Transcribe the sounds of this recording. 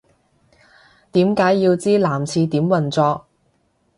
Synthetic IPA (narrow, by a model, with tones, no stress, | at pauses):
t̪iː˨˥mkaː˨˥jːiː˧wt͡siː˥laː˨˩mt͡sʰiː˧t̪iː˨˥mwɐ˨˩nt͡sɔː˧k̚